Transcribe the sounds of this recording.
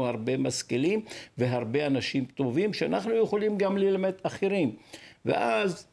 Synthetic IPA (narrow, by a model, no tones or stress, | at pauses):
uhaʁbe̞maskelimve̞ɦaʁbe̞anaʃimt̪o̞vimʃeanaχnujeχolimɡamlelamet̪aχeʁimvḛʔaz